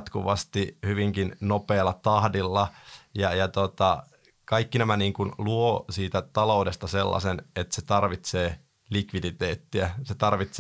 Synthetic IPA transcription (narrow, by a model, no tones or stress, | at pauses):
t̪kṵʋɑst̪ihyʋiŋkinnopeːlːɑt̪ɑhdilːɑjɑjɑt̪ot̪ɑ | kɑikːinæmæniːŋkunluosiːt̪æt̪ɑloudest̪ɑselːɑ̰senet̪set̪ɑrʋit̪seː | likʋidit̪eːt̪ːiæset̪ɑrʋit̪s